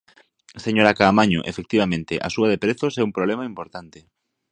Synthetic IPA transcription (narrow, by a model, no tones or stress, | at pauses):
seɲoɾakaːmaɲoʔefek̚t̪iβamẽnt̪eʔa̰suað̞epɾeθosɛumpɾoβlɛmaimpoɾt̪ant̪e